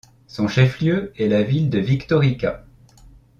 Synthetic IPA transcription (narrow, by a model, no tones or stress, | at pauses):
sɔ̃ʃɛfljøɛlavild̪əvikt̪ɔʁika